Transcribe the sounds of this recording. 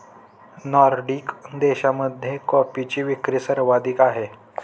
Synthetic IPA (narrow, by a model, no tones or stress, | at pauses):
nɔɾɖikd̪eɕaməd̪ʱjekɔpit͡ɕiːʋikɾiːsəɾʋad̪iːkaɦe